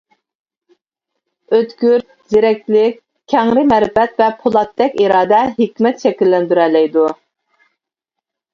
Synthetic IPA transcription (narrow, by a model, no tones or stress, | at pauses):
øt̪ɡʲyɾt̪̚zeɾɛk̚ʲt̪lɪk̚ʲ | kʲʰːɛŋɾɪmɛɾɪfɛt̪vɛpʰolˠɑt̪̚ːɛkʲiɾɑːd̪ɛɦekʲmɛt̪ʃɛkʲilːɛnd̪yɾɛlɛjd̪u